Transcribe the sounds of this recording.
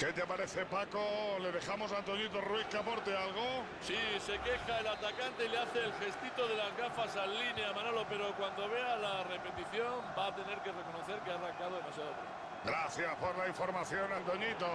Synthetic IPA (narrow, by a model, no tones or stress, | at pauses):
ke̞t̪apaɾe̞θe̞pakole̞ðe̞xamo̞s̬ant̪o̞ɲit̪̬orwikapoɾt̪ealɣ̞o | sise̞ke̞xaelat̪akant̪e̞ileaθe̞ːlxe̞st̪it̪o̞ðe̞lazɣafasalːineamãnolo̞pe̞ɾo̞kwand̪o̞βe̞alare̞pe̞t̪iθjo̞mbat̪e̞ne̞ɾke̞re̞ko̞no̞θeɾkeaːraŋkað̞o̞ð̞emasjaðopɾḛ | ɡɾaθjaspoɾlaiɱfo̞ɾmaθjo̞nant̪o̞ɲit̪o